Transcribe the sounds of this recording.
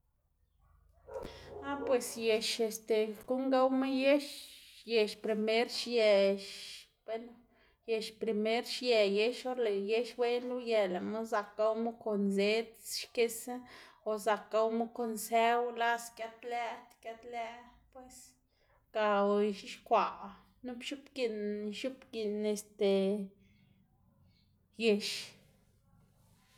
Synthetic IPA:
a˦pwe˨sje˨ʃe˨st̪e˨ku˦ŋɡa˦wma˦je˦ʃje˨ʃpɾi˨me˦ɾʃje˨ʃ | b̥e˦lo˦ | je˨ʃpɾi˨me˦ɾʃje˨je˦ʃo˦ɾle˨je˦ʃwe˦nu˦je˨la˨mu˦za˧ka˧wmu˦ko˨nze˦t͡sʃke˧sa˦o˨za˨ka˧wmu˦ko˧nse˦wla˦skja˦t̪læ˦t̪kja˦t̪læ˦pwe˧s | ka˨wʃi˦ʃkʷa˨ | nu˦pʃu˦pɡi˧nʃu˦pɡi˧˨ne˨st̪e˨ | je˨ʃ

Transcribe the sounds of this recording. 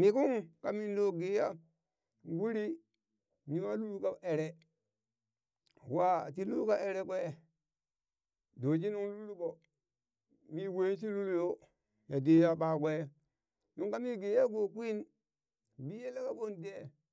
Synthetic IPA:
mi˨ku˦ŋka˨mi˦ndo˨ɡe˨ja˦ | ɡu˦ɾi˦ | ni˦wa˦lu˦lu˦ka˦ʔe˨ɾe˦ | wa˦˨ti˦lu˦ka˦ʔe˨ɾe˦kʷe˦˨ | do˨t͡ʃi˦nu˦ŋlu˦lu˦ko˨ | mi˦we˦ns̬i˦lu˦lu˦jo˦ | ja˨de˨ja˦ɓa˨ke˦˨ | nu˦ŋka˦mi˦ɡe˨ja˦ɡo˨kʷi˦n | bi˦je˦la˦ka˦ɓo˦nde˦

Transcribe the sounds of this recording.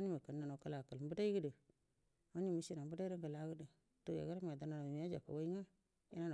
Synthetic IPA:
ni˦mə˨kə˨nːa˨no˨ka˦la˨kə˨lm˦bə˦da˦i˦ɡə˦də˨ | a˦ni˦˨mə˦si˦na˨mbə˦da˦ɾə˦ŋɡə˨la˨˦ɡə˦də˨ | to˦ja̰˨ɡa˦ɾa˦ma˨da˨na˨na˨˦a˦d͡ʒa̰˨kːa̰˨wa˦i˦ŋa˦ | i˦na˦n˨

